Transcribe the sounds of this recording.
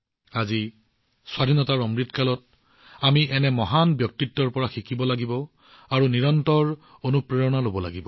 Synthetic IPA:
azi | swadʱinɔtaɹɔmɹitkalɔt | amiʔɛnɛmɔɦanbjɔk̚titːɔɹpɔɹaxikibɔlaɡibɔ | aɹuniɹɔntɔɹonupɹeɹɔnalobɔla̰ɡibɔ

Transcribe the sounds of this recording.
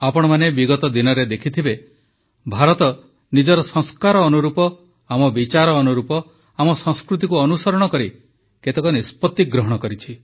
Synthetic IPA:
apɔɽ̃ɔmanebiɡɔt̪ɔd̪inɔɾed̪ekʰit̪ʰibe | bʱaɾɔt̪ɔ | nid͡ʒɔɾɔsɔ̃ŋskaɾɔːnuɾupɔ | amɔbit͡ʃaɾɔːnuɾupɔ | amɔsɔ̃ŋskɾut̪ikuɔnusɔɾɔɽ̃ɔkɔɾi | ket̪ekɔnispɔt̪ːiɡɾɔɦɔɽ̃ɔkɔɾit͡ʃʰi

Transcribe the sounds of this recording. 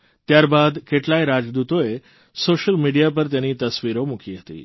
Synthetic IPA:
t̪jaɾbad̪keʈlajɾad͡ʒd̪ut̪oe | soʃəlmiɖijap̬əɾt̪janit̪əsʋiɾomukʰiɦət̪ḭ

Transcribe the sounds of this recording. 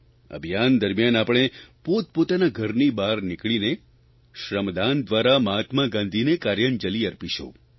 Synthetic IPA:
ə̰bʱijand̪əɾmjanapɽ̃epot̪̚pot̪anaɡʱəɾnibaɾnɪkɭine | ʃɾəmd̪and̪ʋaɾaməɦat̪maɡãnd̪ʱinekaɾjənd͡ʒəliəɾpiʃõ̰

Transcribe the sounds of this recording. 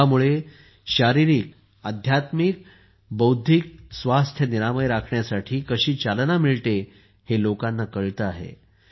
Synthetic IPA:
amuɭe | ɕaɾiɾiːk | ad̪ʱjat̪mik | bəwd̪ʱik̚sʋast̪ʰjəniɾaməjɾakʰɳjasaʈʰiːkəɕiːt͡salnamiɭt̪e | helokanːakəɭt̪əaɦḛ

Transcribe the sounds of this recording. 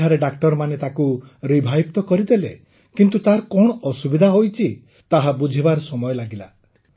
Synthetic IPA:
aɾeɖakʈɔɾmanet̪akuɾibʱajb̚t̪ɔkɔɾid̪ele | kint̪ut̪aɾɔkɔɽ̃ɔʔɔsubid̪ʱaɦojt͡ʃʰi | t̪aɦabud͡ʒʱibaɾɔsɔmɔjɔlaɡila

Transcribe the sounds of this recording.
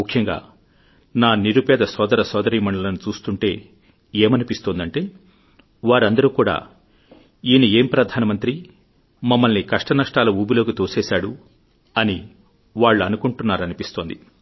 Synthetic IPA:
mukʰjɐŋɡa̰ː | naːniɾupɛːd̪ɐsɔːd̪ɐɾɐsɔːd̪ɐɾiːmɐɳɖɐlɐnut͡ʃuːst̪uɳʈe̞ː | eːmɐnipist̪ond̪ɐɳʈe̞ː | ʋaːɾɐnd̪ɐɾuːkuːɽa̰ː | iːnieːmpɾɐd̪ʱaːnɐmɐnt̪ɾi | mɐmːɐlnikɐʂʈɐnɐʂʈaːlɐuːbilo̞ːkit̪oːseːsaːɽu | ɐni | ʋaːɭːuɐnukuɳʈunːaːɾɐnipist̪o̞ːnd̪i

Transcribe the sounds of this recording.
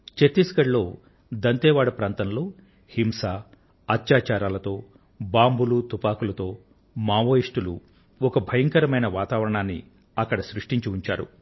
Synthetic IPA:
t͡ʃet̪ːiskɐɽlo̞ː | d̪ɐnt̪ɛːʋaːɽɐpɾaːnt̪ɐnlo̞ː | himsaː | ɐt̪jaːt͡ʃaːɾaːlɐt̪o̞ː | baːmbulut̪upaːkulɐt̪o̞ː | maːʋoːjiʂʈulṵ | ɔkɐbʱɐjɐŋkɐɾɐmɐjnɐʋaːt̪aːʋɐɾɐɳaːnːḭ | ɐkːɐɽɐsɾuʂʈiɲt͡ʃiuɲt͡ʃa̰ːɾṵ

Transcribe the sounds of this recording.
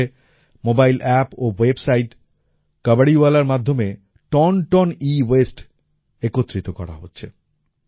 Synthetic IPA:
e | mobajlʔɛpowebsajʈ | kʌbaɽiualaɾmad̪ʱːome | ʈɔnʈɔniwesʈ | ekot̪ːɾit̪okɔɾa̰ɦotːɕʰḛ

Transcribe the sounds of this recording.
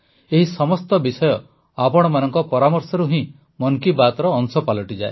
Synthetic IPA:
eɦisɔmɔst̪ɔbisɔjɔ | apɔɽ̃ɔmanɔŋkɔpɔɾamɔɾsɔɾuɦĩ | mɔŋkibat̪ɔɾɔːŋsɔpalɔʈid͡ʒae

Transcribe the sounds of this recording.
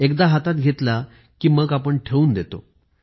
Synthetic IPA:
ekd̪aɦat̪at̪̚ɡʱet̪la | kiːməɡapəɳʈʰeuːnd̪et̪o̰

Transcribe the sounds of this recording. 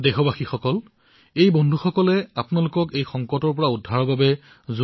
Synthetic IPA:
dɛxɔbaxixɔkɔl | ejbɔndʱuxɔkɔlɛapʊnalʊkɔkejxɔŋkɔtɔɹpɔɹaudʱaɹɔbabɛ | zu

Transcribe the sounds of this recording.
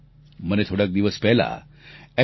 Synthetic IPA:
mənet̪ʰoɽak̚d̪iʋəspɛɦla̰ | ɛ

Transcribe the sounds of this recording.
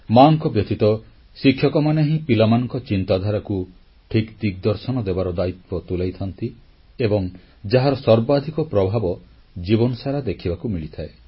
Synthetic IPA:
maŋkɔbjɔt̪it̪ɔ | sikʰːjɔkɔmaneɦĩpilamanɔŋkɔt͡ʃint̪ad̪ʱaɾaku | ʈʰikd̪ik̚d̪ɔɾsɔnɔd̪ebaɾɔd̪ait̪pɔt̪ulajt̪ʰɔnt̪i | ebɔŋ | d͡ʒaɦaɾɔsɔɾbad̪ʱikɔpɾɔbʱabɔ | d͡ʒibɔnɔsaɾad̪ekʰibakumiɭit̪ʰae

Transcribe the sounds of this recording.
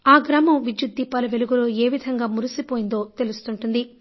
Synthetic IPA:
aːɡɾaːmɐmʋid͡ʒjud̪ːiːpɐːlɐʋe̞luɡuloːe̞ːʋid̪ʱɐŋɡaːmuɾusipoːjind̪o̞ːt̪e̞lust̪uɳʈund̪i

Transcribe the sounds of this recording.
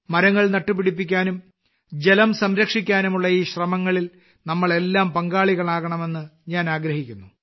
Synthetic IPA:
mɐɾɐŋːɐɭnɐʈːɨpːiɽipːikʲːaːnum | d͡ʑelɐmsɐmɾɐkʂikʲːaːnumuɭːɐiːɕrɐmɐŋːɐɭil | nɐmːɐɭe̞lːaːmpɐŋɡaːɭiɣɐɭaːɣɐɳɐme̞nːɨɲaːnaːɡɾɐhikʲːunːu

